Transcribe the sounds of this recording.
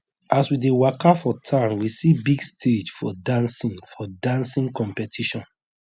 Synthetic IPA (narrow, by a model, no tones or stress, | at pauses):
aswidewakafɔtʰãnwisibiɡstʰed͡ʒfɔdãnsĩŋfɔdãnsĩŋkɔ̃mpɛtʰiʃɔ̃n